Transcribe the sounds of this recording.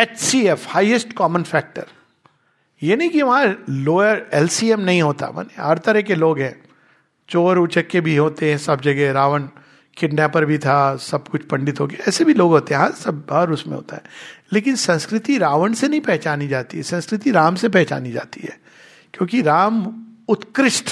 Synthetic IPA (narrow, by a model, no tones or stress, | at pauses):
ɛt͡ʃsiɛfhaːiəsʈkɔːmənfɛːk̚ʈə̰ɾ | jeːnɐɦĩkiʋɐɦãloːəɾɛːlsiɛmnɐɦĩɦoːt̪a̰ʋɐ̰neɦɐɾt̪ɐɾɛɦkeloːɡɦɛ̃ː | t͡ʃoːɾʊt͡ʃəkːebʱiɦoːt̪eɦɛ̃sɐb̚d͡ʒɐɡɛɾaːʋəɳ | kʰɪʈnapɐɾbʱit̪ʰasɐb̚kʊt͡ʃʰpɐ̃ɳɖɪt̪ɦoːkeɛːsebʱiloːɡɦoːt̪eɦɛ̃ɦɐɾsɐbɦɐɾʊsmẽɦo̰ːt̪a̰ɦɛːleːk̬ɪnsɐ̃nskɾɪt̪iɾaːʋəɳsenɐɦĩpɛɦt͡ʃaːnid͡ʒaːt̪iɦɛsɐ̃nskɾɪt̪iɾaːmsepɛɦt͡ʃa̰ːnid͡ʒa̰ːt̪iɦɛ̰ː | kjõːkiɾaːmʊt̪kɾɪʃʈ